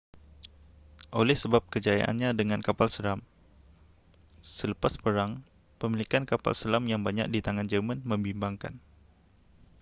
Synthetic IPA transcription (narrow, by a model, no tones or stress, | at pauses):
ʔolɛhsəbap̚kəd͡ʒaja̰ʔa̰nɲadəŋankapalsəlam | sələpaspəɾaŋ | pəmilikankapa̰lsəlamjaŋbaɲa̰k̚dit̪aŋand͡ʒəmanməmbimbaŋka̰n